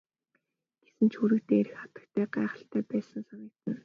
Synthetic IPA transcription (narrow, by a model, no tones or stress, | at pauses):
ɡ̥e̥sɘ̆nt͡ɕʰxuɾɘ̆kt̪eːeɾɘ̆xχḁt̪ə̆k̚t̪ʰæːɢæːχə̆ɬt̪ʰæːpæːsə̆nsaniːt̪ə̆n